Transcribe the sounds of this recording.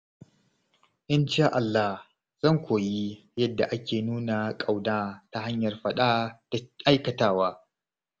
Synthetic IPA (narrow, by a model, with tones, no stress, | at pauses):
ʔɪ˦nʃaː˦ʔa˨lːa˦h | z̥ɐ˦˨ŋkʷoː˨ji˦ | jɐ˦dːa˨ʔa˦kʲeː˨nuː˦na˨kʼa˨wdaː˦ta˨ɦa˦ɲjɐ˨rɸɐ˦ɗaː˦d̥a˨ʔa˦jkɐ˨taː˦waː˦